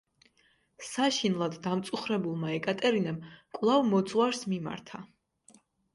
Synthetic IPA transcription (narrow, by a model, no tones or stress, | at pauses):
saʃinlˠad̪ːamt̪sʼuχɾɛbulˠmaɛkʼat̪ʼɛɾinɛmkʼwlˠavmɔt̪sʼwaɾsmima̰ɾt̪ʰa